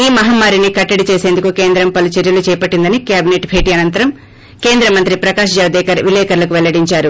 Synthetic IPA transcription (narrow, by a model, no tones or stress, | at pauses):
iːmɐɦamːaːɾinikɐʈːɐɽit͡ʃeːse̞ːnd̪ukuke̞ːnd̪ɾɐmpɐlɐt͡ʃeɾjɐlut͡ʃɛːɐpɐʈːind̪ɐnikjaːbʱineʈbʱe̞ːʈiːɐnɐnt̪ɐɾɐm | ke̞ːnd̪ɾɐmɐnt̪ɾipɾɐkaːʃɐd͡ʒɐʋd̪ɛːkɐɾʋilɛːkɐɾlɐkuʋɛlːɐɽiɲt͡ʃaːɾu